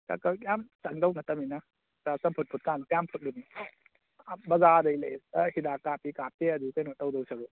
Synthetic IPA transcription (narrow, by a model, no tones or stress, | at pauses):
ka̰kɐjamsaŋdɐwnɐtɐmina | tasɐmpʰut̚pʰut̚kanjampʰut̚luni | bɐzadɐjlajahidakapikap̚teɐdukajnɔtawdɔwsɐɾu